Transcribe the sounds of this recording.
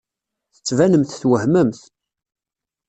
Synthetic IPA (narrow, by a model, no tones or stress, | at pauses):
θə̥t͡sːvænəmθθwəhməmθ